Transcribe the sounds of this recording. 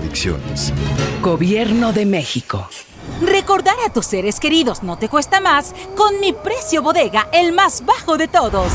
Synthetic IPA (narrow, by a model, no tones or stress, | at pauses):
ðiksjo̰nesɡoβjeɾnoðemexiko | reko̞ɾðaɾat̪usːeɾeske̞ɾiðo̞zno̞t̪e̞kwest̪amas | ko̞nmipɾe̞sjo̞βo̞ðeɣaʔelmazbaxoðe̞t̪oðos